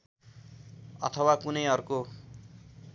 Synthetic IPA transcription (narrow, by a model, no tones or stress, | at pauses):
ʌ̰t̪ʰʌwakunʌjʌrko